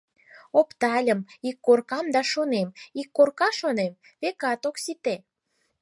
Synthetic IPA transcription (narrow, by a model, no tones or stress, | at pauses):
opt̪ɑlʲəmikːorkɑmd̪ɑʃonemikːorkɑʃonem | βekɑt̪oksit̪e